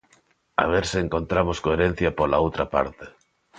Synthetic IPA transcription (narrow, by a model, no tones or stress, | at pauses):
a̰β̞eɾseeŋkont̪ɾamoskoeɾen̟θjɐpolaowt̪ɾɐpa̰ɾt̪e̥